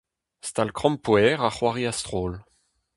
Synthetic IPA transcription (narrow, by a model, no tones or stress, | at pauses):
st̪alkχɔ̃mpwɛːʁaχwaʁiast̪χoːl